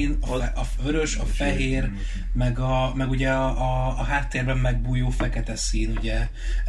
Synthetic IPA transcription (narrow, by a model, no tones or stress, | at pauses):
nɒøɾø̞ʃɒfɛɦeːr | mɛɡɒmɛɡuɟɛɒʔːɦaːt̪ːeːrbɛmːɛɡ̚buːjoːfɛkɛt̪ɛsiːnuɟɛ